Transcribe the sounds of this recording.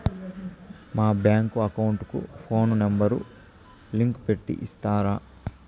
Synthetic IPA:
maːbjaːŋkuɐkɐwuɳʈkṵpʰo̞ːnnembɐɾu | liŋkpe̞ʈːḭʔist̪aːɾaː

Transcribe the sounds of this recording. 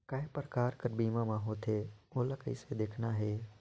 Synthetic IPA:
kaɦɪpɾəkaːɾkəɾbiːmãːmãɦoːt̪ʰeːoːləkəḭsed̪eːkʰnaɦeː

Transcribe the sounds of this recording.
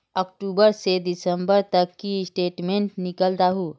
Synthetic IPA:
ɔk̚ʈuːbəɾsed̪ɪsəmbəɾt̪əkːisʈeːʈmẽɳʈnɪkəld̪aɦu

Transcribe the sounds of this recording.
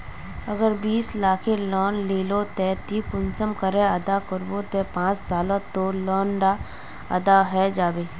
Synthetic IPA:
əɡəɾbiːslaːkʰelɔːnleːlot̪ɛt̪ipʊnsəmkəɾɛ̃əd̪akəɾbot̪ɛ̃pãːt͡ʃsaːlõt̪olɔːnɖa | ə̰d̪aɦɛd͡ʒaːbeː

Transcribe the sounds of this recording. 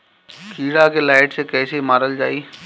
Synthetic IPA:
kʰiːɽakelaːɪʈsekɛːsemaːɾəld͡ʒa̰ːiː

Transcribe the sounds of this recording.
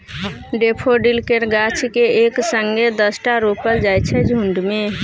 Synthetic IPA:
ɖepʰoɖilkeɾɡat͡ʃʰkeeksəŋɡed̪əsʈaɾupəɾd͡ʒajt͡ʃʰɛd͡ʒʱuɳɖme

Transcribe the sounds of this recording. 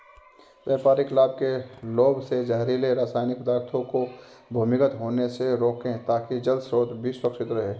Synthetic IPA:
ʋeːpaːɾikʰɪlaːb̚keloːbsed͡ʒaɦɾileɾaːsaːɪnɪkʊd̪aːɾt̪ʰõko | bʱuːmɪkət̪ɦoːneseɾoːkẽt̪aːkid͡ʒəld̪sɾoːt̪bʱiswɐkʃɪt̪ɾɐɦeː

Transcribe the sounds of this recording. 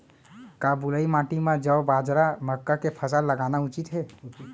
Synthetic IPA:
kabuləimãʈimẽd͡ʒəwbad͡ʒɾaməkːakepʰəsaləɡanaut͡ʃit̪ɦe

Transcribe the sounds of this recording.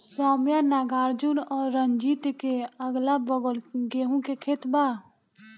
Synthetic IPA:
saːmjanaːɡaːɾd͡ʒʊnɔːɾːəɲd͡ʒiːt̪keəɡlabəɡlɡeːɦõkekʰeːt̪baː

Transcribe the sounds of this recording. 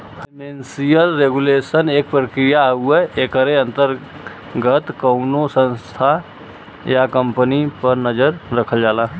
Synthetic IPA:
pimensijəlɾeɡulesənek̚pɾəkɾijaɦueekəɾeə̃nt̪əɾ | ɡət̪kəʊnosə̃nst̪ʰa | jakəmpənipəɾnəd͡ʒəɾɾəkʰəld͡ʒala

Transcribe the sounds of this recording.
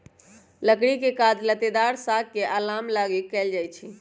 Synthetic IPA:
ləkɽikekad̪lət̪ed̪aɾsakkeʔalamlaɡekɛld͡ʒajt͡ʃʰi

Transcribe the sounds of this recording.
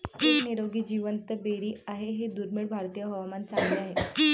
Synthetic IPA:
tekniɾoɡiːd͡ʑiʋənt̪əbeɾiːaɦeɦed̪uɾmiɭbʱaɾt̪ijəɦɔʋmant͡saŋɡleaɦe

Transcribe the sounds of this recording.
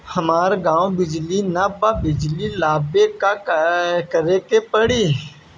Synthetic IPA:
həmaːɾɡãːõbɪd͡ʒlinapabɪd͡ʒliːlaːbeka | kəɾekepəɽiː

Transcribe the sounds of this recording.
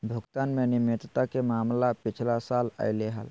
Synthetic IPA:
bʱuɡt̪anmenimet̪t̪akemamlapit͡ʃʰlasalə̰ɪleɦə̰l

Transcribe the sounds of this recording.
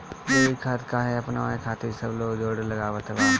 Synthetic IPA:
jeːikʰat̪kaːɦeɐpnaaekʰaːt̪ʰisəbloːɡd͡ʒoːɽləɡaːʋət̪baː

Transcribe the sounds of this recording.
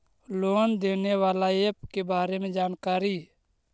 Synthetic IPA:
loːnd̪eːneːʋaːlaeːp̚kebaːɾeːmẽd͡ʒaːnkaːɾiː

